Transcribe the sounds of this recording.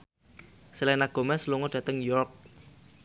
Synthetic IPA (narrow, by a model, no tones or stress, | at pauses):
silɛnaɡ̥o̤mɛsluŋɔdɖ̥ä̤t̪əŋjɔrk̚